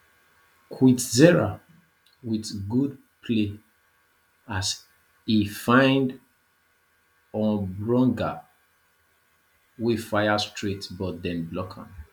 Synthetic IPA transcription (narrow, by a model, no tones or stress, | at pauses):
kʰwitzɛɹa | witɡud̚ | pʰle | as | ifãɪ̃nd | ɔ̃nbɹɔ̃ŋɡa | wifajastʰɹitbɔt̚dɛ̃nblɔkʰã̰n